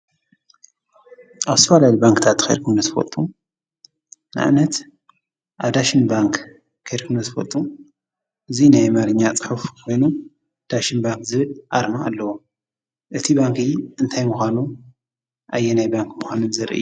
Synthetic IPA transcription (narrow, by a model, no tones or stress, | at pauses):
ʔaβst̪ʰɐfalajibaŋkt̪ʰat̪kʰḛjɾkʰɨmnɐt̪fɐ̰t̪ʼu | na̰ʔa̰nɐt̪ | ʔaβd̪aʃinbaŋk | kʰejɾkʰɨmnɐt̪ɨfɐ̰t̪ʼu | ʔɨzinajmaɾɨɲːat͡sʼɨ̥ħufkʰo̞jnu | d̪̥aʃinbaŋkzɨβɨlʔaɾmaːlːɐwo | ʔɨt̪ʰibaŋkiʔɨnt̪ʰajmuxanu | ʔajːenajbaŋkmuxʷanɨnzɐɾʔɨ̰jːu